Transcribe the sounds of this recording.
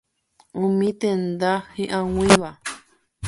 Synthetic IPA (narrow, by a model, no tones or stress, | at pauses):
ũmĩt̪end̪ahĩʔãwĩβa